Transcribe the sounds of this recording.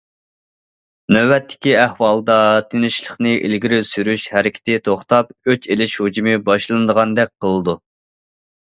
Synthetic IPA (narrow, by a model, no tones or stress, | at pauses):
nøwɛt̪ːɪ̥kʲiæhwɑlˠd̪ɑt̪ʰenɪʃlˠəχnɨʔḭlɡʲiɾɪsyɾyʃhæɾɪkʲɪ̥t̪ʰɪt̪ʰoχt̪ɑpøt͡ʃelɪʃhod͡ʒimɨbɑʃlˠɨnd̪əʁɑnd̪ɛk̚ʲqʰəlˠɨd̪u